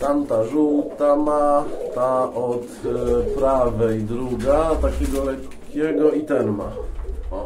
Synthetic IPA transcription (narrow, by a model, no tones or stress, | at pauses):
t̪amt̪aʐuwt̪amat̪aʔɔt̪pɾavɛjd̪ɾuɡat̪akʲɛɡɔlɛkʲːɛɡɔit̪ɛnma